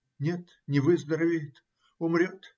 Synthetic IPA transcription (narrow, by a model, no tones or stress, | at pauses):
nʲe̞t̪ | nʲɪvɨzd̪əɾɐvʲɪjɪt̪ | ʊmɾʲot̪